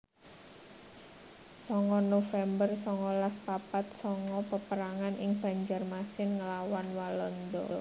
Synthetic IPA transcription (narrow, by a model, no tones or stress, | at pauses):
sɔŋɔnofɛmbərsɔŋɔlaspapat̪̚sɔŋɔpəpəɾaŋanʔɪŋb̥a̤ɲd͡ʒarmasɪnŋəlawanwalɔnd̪ɔ̰